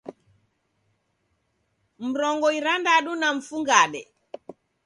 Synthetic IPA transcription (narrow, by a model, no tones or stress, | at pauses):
m̩ɾɔŋɡɔiɾandaɗunaɱ̩fuŋɡaɗɛ